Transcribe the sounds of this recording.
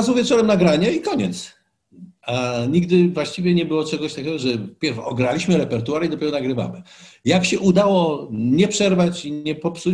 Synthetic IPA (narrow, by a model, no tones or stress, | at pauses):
azwvʲjɛt͡ʂɔɾɛmnaɡɾaɲɛikɔɲɛ̰t̪s | aɲiɡd̪ɘvwaɕt͡ɕivʲjɛɲɛbɘwɔt͡ʂɛɡɔɕt̪akʲɛɡɔʐɛpʲjɛɾvɔɔɡɾalʲiɕmɘɾɛpɛɾt̪uaɾid̪ɔpʲɛɾɔnaɡɾɘva̰mɘjakɕɛʔud̪awɔɲɛpʂɛɾvat͡ɕiɲɛpɔpsu